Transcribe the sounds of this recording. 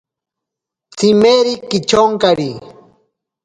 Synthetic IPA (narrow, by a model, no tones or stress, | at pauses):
t͡simeɾikit͡ʃoŋkaɾi